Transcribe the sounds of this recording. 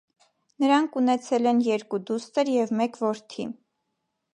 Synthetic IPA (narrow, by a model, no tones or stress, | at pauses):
nəɾɑŋkʰunɛt͡sʰɛlɛnjɛɾkud̪ust̪əɾjɛvmɛkvɔɾt̪ʰi